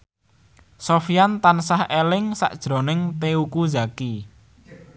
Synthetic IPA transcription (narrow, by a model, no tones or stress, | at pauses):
sofijant̪ansahelɪŋsa̰ʔd̥ʒ̥ɾo̤nɪŋt̪eukuzaki